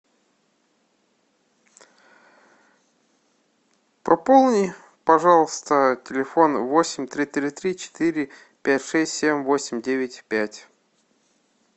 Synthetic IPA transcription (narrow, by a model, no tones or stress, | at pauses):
pɐpolˠnʲɪ | pɐʐɑlˠəst̪ətʲɪlʲɪfo̞nvosʲɪmʲt̪ɾʲit̪ɾʲɪt̪ɾʲit͡ɕɪ̥t̪iɾʲɪ | pʲætʲʂɛsʲtʲsʲemʲvo̞sʲɪmʲdʲevʲɪtʲpʲætʲ